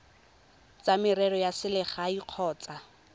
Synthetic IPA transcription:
t͡samɪrɛɾɔjasɪlɪχaiq͡χʰɔːt͡sʼa

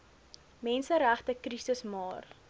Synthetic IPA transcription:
mɛnsəɾæχtəkrisəsmɑːr

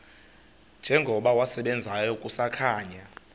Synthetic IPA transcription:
nd͡ʒʱɛŋɡʱɔɓawasɛɓɛnd͡zʱajɔkʼusakʰaːɲa

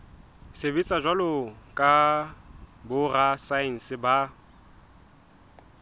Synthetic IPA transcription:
sebit͡sʼaʒwalʊkʼa | bʊrasain̩sɪba

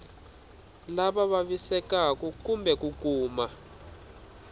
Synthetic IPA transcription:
laɓaɓaɓisɛkakukumbʱɛk̬ukuːma

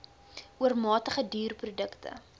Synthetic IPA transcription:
ʔuərmɑːtəχədyːrprodəktə̰

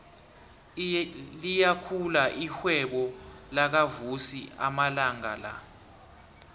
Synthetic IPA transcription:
lijakʰulaʔixwɛɓɔlak̬avusiʔa̰malaŋa̰la̰

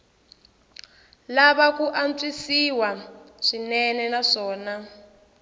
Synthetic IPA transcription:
laβakuʔant͡sisiwa | ʂinɛnɛnaʂɔːna

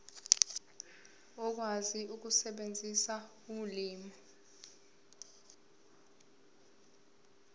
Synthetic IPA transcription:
ɔk̬waziuk̬usɛɓend͡zʱisa | uliːmɔ

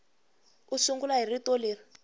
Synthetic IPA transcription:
usuŋɡulaɦiritoliːri

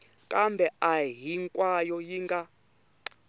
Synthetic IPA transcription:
kʼambɛaɦiŋkʼwajɔjiŋɡa

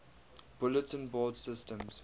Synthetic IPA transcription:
b̥ʊlətsə̃nbɔːdsɪstə̃mz̥

